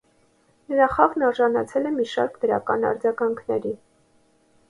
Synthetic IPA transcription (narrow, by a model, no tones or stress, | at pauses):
nəɾɑχɑʁnɑɾʒɑnɑt͡sʰɛlɛmiʃɑɾkd̪əɾɑ̰kɑnɑ̰ɾd͡zɑɡɑŋkʰnɛɾi